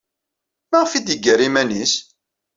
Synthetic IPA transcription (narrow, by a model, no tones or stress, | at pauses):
mæʁfid̪əɡəɾimænis